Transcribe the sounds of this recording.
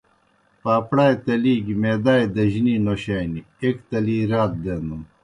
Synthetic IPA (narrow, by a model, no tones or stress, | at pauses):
paːpɽaːjt̪ɐliːɡimeːd̪aːjd̪ɐʑininoɕaːni | ekt̪ɐliːɾaːt̪̚d̪end̪um